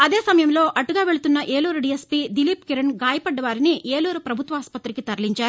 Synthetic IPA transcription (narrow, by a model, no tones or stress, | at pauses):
ɐd̪eːsɐmɐjɐmlo̞ːʔʔɐʈːuɡaːʋe̞ɭut̪unːɐʔe̞ːluːɾuɖiːespiːd̪ilipkeɾɐnɡaːjɐpɐɖːɐʋaːɾiniʔeːluːɾupɾɐbʱut̪ʋɐaːspɐt̪ɾikit̪ɐɾliɲt͡ʃaːɾu